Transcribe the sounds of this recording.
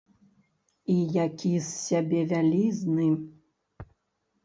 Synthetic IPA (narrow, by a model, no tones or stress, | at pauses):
ijakʲisːʲabʲɛvʲalʲiznɨ